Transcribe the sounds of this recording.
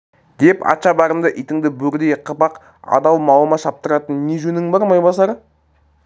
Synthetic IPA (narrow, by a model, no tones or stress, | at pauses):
d̪̥epɑ̰t̪ʃɑbɑɾəmd̪əʔijt̪ɪŋd̪ɪbɵɾd̪ejqʰəpɑq | ɑ̰d̪ɑwˠmɑlˠəmɑʃɑp̚t̪əɾɑt̪ənːeʒɵnɪŋbɑɾmɑjbɑsɑɾ